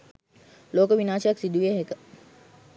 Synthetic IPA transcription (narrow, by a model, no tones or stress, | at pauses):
loːkəʋinaːʃjɐksid̪uʋeɦekə